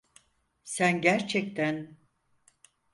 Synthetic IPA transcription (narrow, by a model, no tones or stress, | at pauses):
sænɟæɾt͡ʃʰɛc̚t̪ʰæn